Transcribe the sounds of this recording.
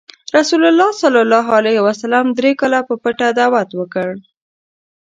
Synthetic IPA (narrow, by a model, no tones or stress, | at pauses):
ɾasulalːɑsɑlɑlɑɦalahwasalɑmd̪ɾekɑlapəpəʈad̪awat̪wəkəɽ